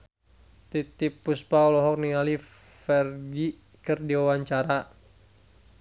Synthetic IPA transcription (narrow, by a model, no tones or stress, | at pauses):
t̪it̪ipːuspaɔlɔɦɔk̚niŋalifɛrɡi | kɨrdiwawaɲt͡ʃaɾa